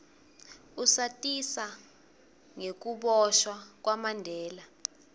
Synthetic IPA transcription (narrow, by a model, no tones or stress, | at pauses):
usatʼisa | ŋek̬uɓɔʃwak̬ʼwamandʱɛːla